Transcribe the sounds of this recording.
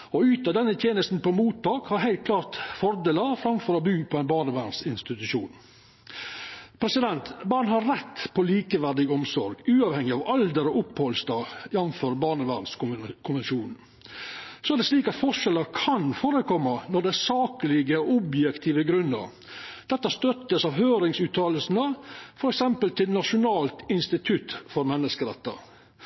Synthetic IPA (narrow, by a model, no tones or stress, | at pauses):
ɔʉːt̪ɑd̪ɛnːət̪ʰjeːnəst̪n̩pɔmuːt̪ʰːɑːkhɑɾɦæɪlt̪̚kʰlɑːɾt̪fɔɾd̪eːləɾfɾɑmfɔɾɑbʉːpʰɔæɪnbɑːɳəʋæːɳsɪnst̪ɪt̪ʉʂuːn | pʰɾɛsɪd̪ɛnt̪bɑːɳhɑɾːɛt̪ːpʰɔliːkəʋæɖ̪ɪɡɔmsɔɾɡʉːɑʋhɛŋːɪɑʋɑld̪əɾɔʔʊphɔlst̪ɑjɛnnfɔɾbɑːɳəʋænskʰʊnʋɛnʃuːnn̩ | sɔæɖɛsliːkɑt̪fɔʂɛləɾkʰɑnfoːɾəkʰɔmːənɔɖ̪ɛæɾsɑːkəlɪɡəɔbjɛkt̪ʰiːʋəɡɾʉnːə̰ɾ | d̪̥ɛt̪ːəst̪œt̪ːəsɑʋhøːɾɪŋsʉːt̪ʰɑːləlsn̩əfɔɾɛksɛmpəlt̪ʰɪlnɑʂʊnɑːlt̪ɪnst̪ɪt̪ʰʉt̪fɔɾmɛnːəskəɾɛt̪ːə̰ɾ